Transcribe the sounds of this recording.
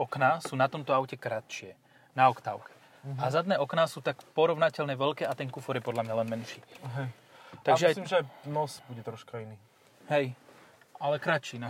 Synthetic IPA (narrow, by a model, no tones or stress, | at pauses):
ɔknasuːnat̪ɔmt̪ɔaʊcɛkɾat̪ʃɪɛ | naɔkt̪a̰ʊkɛ̥ | azad̪nɛːʔɔknasuːt̪akpɔɾɔʋnacɛlnɛʋɛʎkɛːʔat̪ɛŋkufɔɾjɛpɔd̪lamɲalɛnmɛnʃiːɦɛj | t̪aɡʒɛaslimʒɛanɔsbuɟɛt̪ɾɔʃkainiː | ɦɛj | alɛkɾat͡ʃia